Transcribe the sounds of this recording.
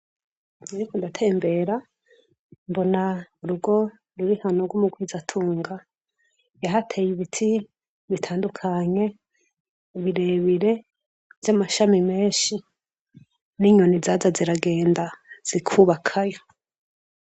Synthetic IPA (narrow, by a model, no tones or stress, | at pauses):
iɾikondatʰe̞ːmbe̞ɾa | mbo̞nauɾuɡo̞ | ɾuɾihanoɡumuɡwizatʰuːŋɡa | jaɦatʰejiβitʰi | βitʰaːndukʰaɲe̞ | βiɾe̞βiɾe̞ | vjamaʃamime̞ːʃi | niɲonizazaziɾaɡe̞ːndaz̥ikʰuβakʰajo̞